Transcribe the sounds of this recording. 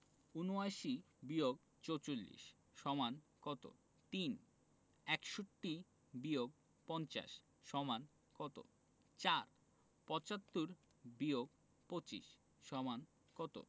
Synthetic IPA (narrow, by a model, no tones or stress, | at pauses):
unoaʃi | bioɡ | t͡ɕot͡ɕolːḭʃ | ʃɔmankɔt̪o̰ | t̪in | ɛkʃoʈːi | bioɡ̚ | pɔnt͡ɕa̰ʃ | ʃɔman | kɔt̪o̰ | t͡ɕaɾ | pɔt͡ɕat̪ːuɾ | bioɡ | pot͡ɕḭʃ | ʃɔman | kɔt̪o̰